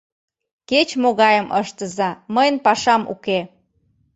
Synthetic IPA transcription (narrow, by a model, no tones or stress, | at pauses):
ket͡ɕmoɣɑjəmʔəʃt̪əzɑməjənpɑʃɑmṵke